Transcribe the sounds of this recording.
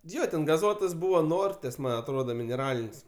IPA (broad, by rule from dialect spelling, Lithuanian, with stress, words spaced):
ˈjoː tʲɛn ɡɐˈzuɔtɐs ˈbuːʋɐ ˈnoːrʲtʲeːs ˈmɐnʲ ɐtˈroːdɐ mʲɪnʲɛˈrɑːlʲɪnʲsʲ